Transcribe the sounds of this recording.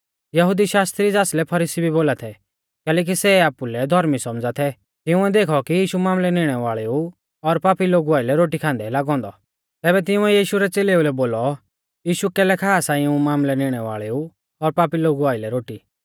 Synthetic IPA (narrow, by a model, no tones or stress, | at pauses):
jɐɦʊd̪iʃaːst̪ɾid͡zaːslɛpʰɐɾiːsibʱiboːlat̪ʰɛ | kɛːlɛːk̬isɛaːpulɛd̪ʱɔɾmisɔmd͡zat̪ʰɛ | t̪ɪʊ̃ɛd̪eːkʰɔkijiːʃumaːmlɛnɪɽ̃ɛʋaːɭɛu | ɔɾpaːpiloːɡuaːɪlɛɾoːʈikʰãːnd̪ɛlaːɡɔ̃ːnd̪ɔ | t̪ɛːbɛt̪̬ɪʊ̃ɛjiːʃuɾɛt͡seːleulɛboːlɔ | jiːʃukɛːlɛkʰaːsaːĩũmaːmlɛnɪɽ̃ɛʋa̰ːɭɛu | ɔɾpaːpiloːɡuaːɪlɛɾoːʈiː